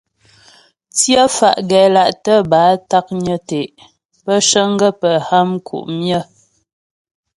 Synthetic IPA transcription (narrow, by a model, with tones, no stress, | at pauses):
t͡sjə˦fa̰˨ʔɡɛ˨la˨ʔtə˦baː˨˦ta˦k̚ɲə˦te˨ʔ | pə˦ʃə˦ŋ˦ɡə˦pə˨ha˦mkʰṵ˨ʔmjə˦˨